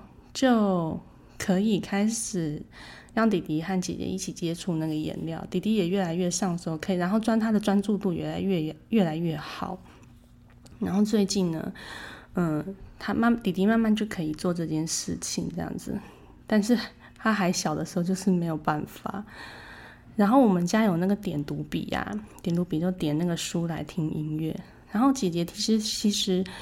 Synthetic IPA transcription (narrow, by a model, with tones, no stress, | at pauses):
t͡ɕjo˥˩ʊ | kʰɤ˧˥i˨˩kʰa˥ɪʂɻ̩˨˩jɑ˥˩ŋt̪i˨˩t̪i˧˥xa˥˩nt͡ɕjɛ̰˨˩t͡ɕjɛ̰˧˦ʔi˥˩t͡ɕʰi˨˩t͡ɕjɛ˥ʈ͡ʂʰu˥˧na˥˩ɡə˩jɛ̰˧˥nljɑ˥˩ʊt̪i˨˩t̪i˧˥jɛ˨˩ɥɛ˥˩la˧˥ɪɥɛ˥˧ʂɑ˥˧ŋʂ̩˧˥xo˥˩ʊkʰɤ˧˥i˨˩ɻa˧˥xo˥˩ʊʈ͡ʂwa˥nt̪ʰa˥d̪ə˨ʈ͡ʂwa˥nt͡su˥˧t̪u˥˩ɥɛ̰˧˥˩la˧˥ɪɥɛ˥˧˩ɥɛ˥˩la˧˥ɪɥɛ˥˩xɑ˨˩˦ʊ | ɻa˧˥nxo˥˧ʊt͡swe˥˧ɪt͡ɕi˥˩nnə̰˩ | ə˧t̪ʰa˥ma˥˩t̪i˨˩t̪i˧˥ma˥˧nma˥˧nt͡ɕjo˥˩ʊkʰɤ˧˥i˨˩t͡swɔ˥˧ʈ͡ʂɤ˥˧t͡ɕjɛ˥˧nʂɻ̩˥˩t͡ɕʰi˨˩ŋʈ͡ʂɤ˥˧jɑ̰˥˩ŋd͡zɹ̩̰˩ | t̪a˥˧nʂɻ̩˥˩ | t̪ʰa˥xa˧˥ɪɕjɑ˨˩ʊd̪ə˦ʂɻ̩˧˥xo˥˧ʊt͡ɕjo˥˧ʊʂɻ̩˥˩me˧˥ɪjo˨˩ʊpa˥˩nfa̰˨˩ | ɻa˧˥nxo˥˩ʊwɔ˨˩mə˨˦nt͡ɕja˥jo˨˩ʊna˥˩ɡə˩t̪jɛ˨˩nt̪u˧˥pḭ˨˩a̰˧˩t̪jɛ˨˩nt̪u˧˥pi˨˩t͡ɕjʊt̪jɛ˨˩na˥˩ɡə˩ʂu˥la˧˥ɪt̪ʰi˥ŋʔḭ˥nɥɛ˥˩ | ɻa˧˥nxo˥˩ʊt͡ɕi˨˩t͡ɕjɛ˧˥t͡ɕʰi˧˥ʂɻ̩˧˥t͡ɕʰi˧˥ʂɻ̩˧˥